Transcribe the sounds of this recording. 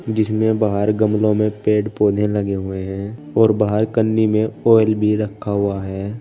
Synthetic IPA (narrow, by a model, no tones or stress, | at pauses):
d͡ʒɪsmẽbaːɦəɾɡəmlõmẽpeːɖpoːd̪ʱẽləɡeɦʊeɦɛ̃ː | ɔːɾbaːɦəɾkənːimẽɔːɪlbʱiɾəkʰːaɦʊaɦɛː